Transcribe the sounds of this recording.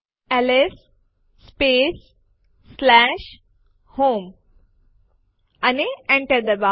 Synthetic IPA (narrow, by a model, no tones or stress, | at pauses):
ɛlesː | peːsː | læʃ | hoːm | aniẽɳʈəɾd̪əba